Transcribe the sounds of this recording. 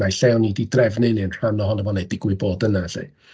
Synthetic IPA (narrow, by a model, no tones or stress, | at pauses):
ajɬɛwnididrɛvnejliənr̥anɔɦɔnəmɔnejdɪɡwɪboːdənaɬḛj